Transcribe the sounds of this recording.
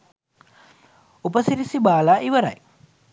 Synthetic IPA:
upəsiɾisibaːlaːʔiʋəɾa̰j

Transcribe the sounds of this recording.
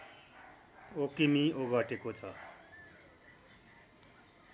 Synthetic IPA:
okimioɡʌʈekot͡sʰʌ

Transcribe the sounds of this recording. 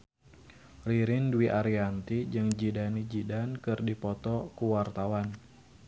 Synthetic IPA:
riɾɪndwiʔaɾiant̪id͡ʒɨŋd͡ʒidanid͡ʒidankɨrdipɔt̪ɔkuwart̪awan

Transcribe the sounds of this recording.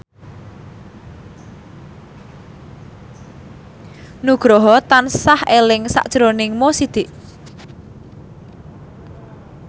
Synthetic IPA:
nuɡ̥ɾɔɦɔt̪ansahelɪŋsa̰ʔd̥ʒ̥ɾonɪŋmosid̪̥ɪ̤ʔ

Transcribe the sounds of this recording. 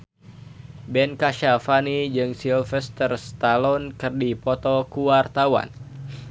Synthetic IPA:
bɛnkaʃafanid͡ʒɨŋsilfɛst̪ərst̪alɔnkɨrdipɔt̪ɔkuwart̪awa̰n

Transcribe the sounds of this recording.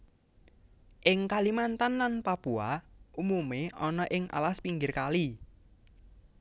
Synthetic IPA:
ʔɪŋkalimant̪anlanpapuaʔumumeɔnɔʔɪŋʔa̰laspiŋɡɪrkali

